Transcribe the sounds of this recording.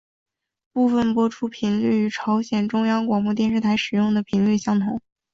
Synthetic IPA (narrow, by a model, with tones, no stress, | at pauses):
pu˥˩fə˥˩npwɔ˥ʈ͡ʂʰu˥pʰi˧˥ŋly˥˩y˧˥ʈ͡ʂʰɑ˧˥ʊɕjɛ˨˩nʈ͡ʂʊ˥ŋjɑ˥ŋkwɑ˨˩ŋpu˥˧t̪jɛ˥˧nʂɻ̩˥˩t̪ʰa˧˥ɪʂɻ̩˨˩jʊ˥˩ŋd̪ə˩pʰi˧˥ŋly˥˩ɕjɑ˥ŋt̪ʰʊ˧˥˦ŋ